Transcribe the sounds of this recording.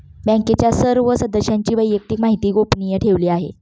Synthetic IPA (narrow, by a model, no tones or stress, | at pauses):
bə̃ŋket͡ɕjasəɾʋəsəd̪əɕaɲt͡ɕiːʋəjjək̚t̪iːkmaɦit̪iːɡopnijəʈʰeʋliːaɦḛ